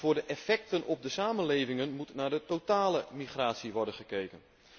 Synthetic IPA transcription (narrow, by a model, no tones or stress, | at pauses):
vʊːɹdəʔɛfɛk̚tənɔb̚dəsaːmənlejvɪŋənmutnaːɹdətotaːləmiχraːtsiʋɔrdənχəkejkən